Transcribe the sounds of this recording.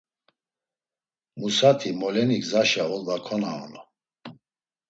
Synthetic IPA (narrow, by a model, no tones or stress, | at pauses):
musat̪ʰimɔlɛniɡzaʃaɔld̪akʰɔnaɔ̰nɔ